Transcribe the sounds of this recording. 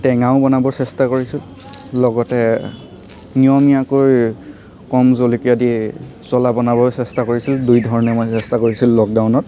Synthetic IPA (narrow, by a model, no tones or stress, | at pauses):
tɛŋaʊ̃bɔnabɔsɛstakoɹisil | lɔɡɔtɛ | nijɔmiakoj | kɔmzolikijadi | sɔlabɔnabɔsɛstakoɹisildujdʱɔɹɔnɛmɔjsɛstakoɹisilːɔk̚dawnɔt̚